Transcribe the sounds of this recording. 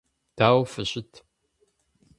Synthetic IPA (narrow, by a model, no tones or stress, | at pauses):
d̥aːwfɨɕɪtʰ